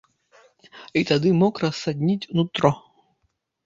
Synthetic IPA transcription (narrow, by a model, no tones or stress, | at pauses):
it̪ad̪ɨmɔkrɐsːad̪ʲnʲitʲnut̪ɾɔ